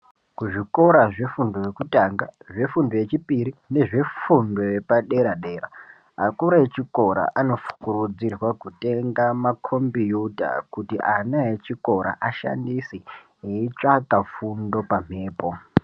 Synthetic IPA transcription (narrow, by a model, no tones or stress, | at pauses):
kuʐiko̞ɾaʐe̞fundo̞jekutaŋɡaʐe̞fundoje̞t͡ʃipiɾine̞ʐe̞fundo̞jepaɗe̞ɾaɗe̞ːɾa̰ | akuɾaet͡ʃiko̞ɾa̰ʔano̞fu̥kurud͡zirwakute̞ŋɡamakʰo̞mbijuta̰kutiʔanaet͡ʃiko̞ɾa̰ʔaʃa̰ndisi | eit͡ʂakafundo̞pam̤e̞ːpo̞